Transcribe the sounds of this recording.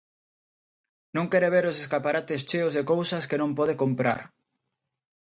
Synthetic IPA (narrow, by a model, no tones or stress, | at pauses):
nõŋkɛɾeβeɾoseskapaɾat̪est͡ʃeozðekowsɐskenõmpɔð̞ekompɾa̰ɾ